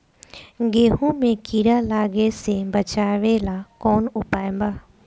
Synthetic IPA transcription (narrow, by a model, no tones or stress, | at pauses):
ɡeːɦũmẽkiːɾalaːɡesebɐt͡ɕaːʋelakoːnʊpaːẽmbaː